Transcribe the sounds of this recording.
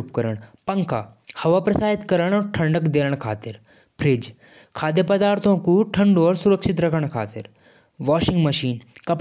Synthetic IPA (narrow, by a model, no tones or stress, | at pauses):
p̚kɐɾəɽ̃pɐ̃ŋka̰hɐʋapɾɐsaːɦit̪kɐɾəɽ̃ɔɾʈʰɐ̃ɳɖəkd̪eːləɽ̃kʰa̰ːt̪ɪɾ | pʰɾed͡ʒ | kʰaːd̪jəpɐd̪aːɾt̪ʰõkuʈʰɐ̃ɳɖɔːɾsʊɾəkʃɪt̪ɾɐkʰəɽ̃kʰa̰ːt̪ɪɾ | ʋɔːʃɪ̃ŋɡmɐʃiːnkɐp